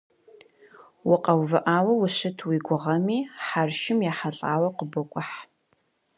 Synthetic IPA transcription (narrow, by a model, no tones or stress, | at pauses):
wʊqɐwvɨʔaːwɐwʊɕɪtʰwiɡʷʊʁɐmiːħarʃɪmjaːħaɬʼaːwɐqəbɔkʷʼʊħ